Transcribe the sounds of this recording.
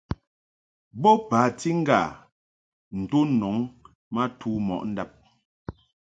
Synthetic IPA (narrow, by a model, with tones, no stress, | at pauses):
bɔ˦paː˨˦ti˦ŋ̩˦ɡa˨ | n̩˨to˦nɔ˨˦ŋ | ma˦tʰuː˦mɔ̰˨ʔn̩˦da˦p̚